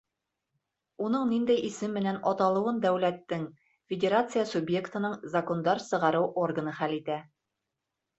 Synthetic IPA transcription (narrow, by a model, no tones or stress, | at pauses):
unɤɴnind̪æjisɘmːɘ̆nænɒt̪ɑlˠɤ̆wɤnd̪æwlæt̪ːɘŋ | fʲɪdʲeɾat̪sɨjəsubje̞kt̪ɤ̆nɤɴzɐko̞nd̪ɑɾsɤ̆ʁɑɾɤwʔo̞rɡənɤχælit̪æ